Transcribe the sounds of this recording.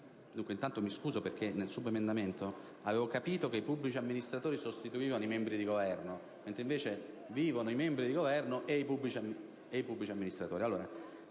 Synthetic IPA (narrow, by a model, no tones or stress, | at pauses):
d̪uŋkweint̪ant̪omiskuːzoperkenːelsubemend̪ament̪o | aveːvokapiːt̪okeipubːlit͡ʃiamːinist̪ɾat̪oːɾisost̪it̪uiːvanoimɛmbɾid̪iɡovɛrno | ment̪ɾeĩɱveːt͡ʃe | viːvonoimɛmbɾid̪iɡovɛrnoʔeipubːlit͡ʃiami | eipubːlit͡ʃiamːinist̪ɾat̪o̰ːɾialːoːɾa